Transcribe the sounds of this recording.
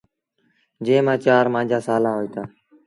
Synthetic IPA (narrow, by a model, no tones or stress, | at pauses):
d͡ʒẽːmãːt͡ʃaːɾmãːd͡ʒʱaːsaːlaːɦoːiːt̪ʰaː